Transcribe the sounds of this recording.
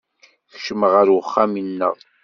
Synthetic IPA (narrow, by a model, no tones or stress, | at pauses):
θʃəməʁəɾwəχːamənːə̰ʁ